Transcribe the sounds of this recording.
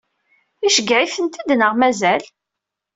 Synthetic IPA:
iʃəɡʕiθənt̪id̪nəʁmæzæl

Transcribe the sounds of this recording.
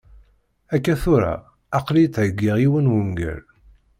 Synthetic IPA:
ækːæθʊɾa̰ | ɑqlit̪ʕəɡːiʁiwənwəŋɡæ̰l

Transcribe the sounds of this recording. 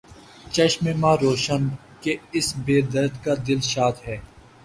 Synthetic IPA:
t͡ʃɐʃmemãːɾoːʃən | keɪsbeːd̪ɐɾt̪kad̪ɪlʃaːt̪ɦɛː

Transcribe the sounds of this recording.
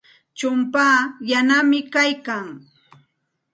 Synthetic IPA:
t͡ʃʊmpaːjanamɪkajkaŋ

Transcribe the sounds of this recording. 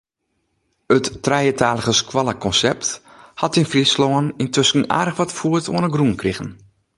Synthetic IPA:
ətːrɛjətʰaːləɣəskʰwaləkʰɔnsɛp̚t | hɔtɪnfrislɔənintʰøskn̩a̰ːdəxʋɔtfuəto̰ənəɡrunkrixən

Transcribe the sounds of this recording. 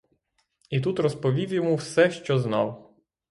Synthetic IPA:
it̪ut̪ɾɔspɔʋʲiwʲjemuwsɛʃt͡ʃɔznɑw

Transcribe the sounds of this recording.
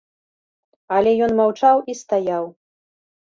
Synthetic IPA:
alʲɛjɔnmawt͡ʂawist̪ajaw

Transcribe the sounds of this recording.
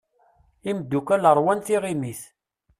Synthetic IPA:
imd̪ːukæləɾˤwænθiʁimiθ

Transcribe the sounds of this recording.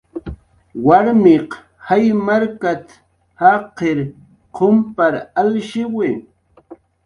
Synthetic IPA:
waɾmɪq | hajmaɾkat̪ | haqeɾ | qʰompaɾalʃɪwɪ

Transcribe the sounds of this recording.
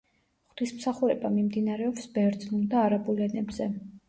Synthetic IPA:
χt̪ʰismsaχuɾɛbamimd̪inaɾɛɔpsbɛvɾd̪znulˠd̪aːɾabulɛnɛbzɛ

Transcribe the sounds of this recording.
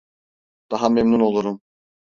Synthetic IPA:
d̪̥ɑɦamemnuno̞lˠuɾum

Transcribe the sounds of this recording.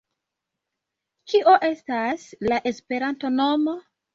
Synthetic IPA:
kiʔo̞ʔe̞staslaʔe̞spe̞ɾanto̞no̞mo̞

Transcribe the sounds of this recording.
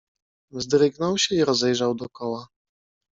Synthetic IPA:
zd̪ɾɘɡnɔwɕɛiɾɔzɛjʐawd̪ɔkɔwa

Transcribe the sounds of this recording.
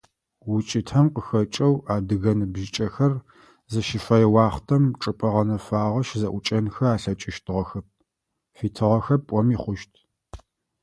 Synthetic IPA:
wʊt͡ʃʼɪtʰɐmqəxɐt͡ʃʼɐwaːdɨɣɐnɨbʒɪt͡ʃʼɐxɐr | zɐʃɪfɐjɛwɑːχtʰɐmʈ͡ʂʼɨpʼɐʁɐnɐfaːʁɐʃzɐʔʷʊt͡ʃʼɐnxɐaːɬɐt͡ʃʼɪʃtʰɨʁɐxɐp̚ | fiːtʰɨʁɐxɐpʼɔmiːχʷʊʃtʰ

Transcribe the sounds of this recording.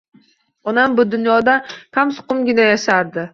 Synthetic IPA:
ɒnambʊd̪ʊnjɒd̪akʰamsʊ̥qʊmɡʲɪnajaʃaɾd̪ɪ

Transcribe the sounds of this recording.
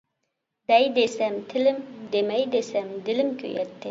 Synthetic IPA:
d̪̥ɛjd̪esɛmt̪ʰɪlɪmd̪emɛjd̪esɛmd̪ɪlɪmkʲʰø̰jɛ̰t̪ʰːɪ

